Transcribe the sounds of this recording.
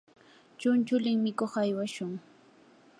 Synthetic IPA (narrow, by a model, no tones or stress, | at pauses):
t͡ʃʊnt͡ʃʊlɪŋmɪkoχajwaʃʊŋ